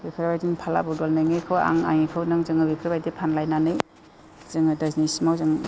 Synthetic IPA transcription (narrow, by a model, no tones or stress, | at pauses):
bipʰɾbajdinpʰala̰budolnɯjŋɯjkʰɯwa̰ŋa̰ŋikʰɯwnɯŋzɯŋɯbipʰɾbajdipʰanlajnanɯj | z̥ɯŋɯdaznisimawzɯŋ